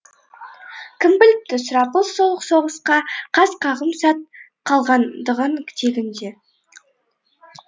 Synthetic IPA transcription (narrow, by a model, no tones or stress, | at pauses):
kʲʰɪmbɪlɪp̚t̪ɪsʊɾɑpəlˠsolˠəqso̞ʁəsqɑqʰɑzqʰɑʁəmsɑt̪̚ | qʰɑlˠʁɑnd̪əʁəɴkʲʰɪ̥t̪eɡʲɪnd̪e̞